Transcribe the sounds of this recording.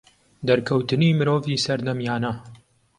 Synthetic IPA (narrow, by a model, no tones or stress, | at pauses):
d̪ɐɾkʰɐwt̪ɨniːmɨɾoːviːsɐɾd̪ɐmjaːnɐ